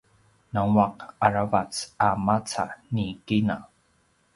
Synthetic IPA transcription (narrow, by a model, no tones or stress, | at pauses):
naŋwaqaɹavat͡samat͡sa̰nikina